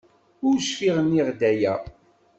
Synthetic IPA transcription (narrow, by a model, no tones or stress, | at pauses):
ʊɾʃfiʁəniʁd̪æjæ